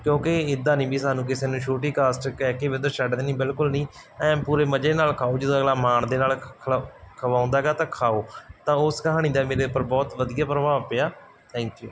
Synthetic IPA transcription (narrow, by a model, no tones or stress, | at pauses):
kjõːkɪɪd̪ːaːnĩːbiːsaːnũːk̬ɪseːnũːt͡ʃʰoːʈiːkaːsʈkɛːkeːbɪd̪əʃəɖd̪eːnĩːbɪlkʊlnĩː | ɛ̃ːpuːɾeːməd͡ʒeːnaːlkʰaːoːd͡ʒəd̪õəɡlaːmaːɳd̪eːnaːlkʰkʰəʋaːʊ̃nd̪aːɛɡaːt̪ãːkʰaːoːt̪ãːʊskəɦaːɽ̃iːd̪aːmeːɾeːʊpːəɾbɔːt̪ʋəd̪ijaːpɾəʋaːpeːaː | t̪ʰɛ̃ːŋkjṵː